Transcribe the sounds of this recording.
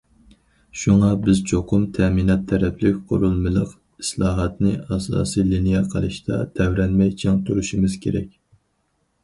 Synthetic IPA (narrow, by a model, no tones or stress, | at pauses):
ʃuŋɑbɪzt͡ʃʰoqʰʊmt̪ʰɛminɑt̪ʰːɛɾɛplɪkʲqʰʊ̰ɾulˠmɨlˠəq | i̥slˠɑːɦɑt̪nɨɑsɑ̰ːsilinijɛqʰəlˠɨʃt̪ɑ̰t̪ʰɛwɾɛnmɛjt͡ʃʰɪŋt̪ʰuɾuʃimɪz̥kʲeɾɛ̰kʲ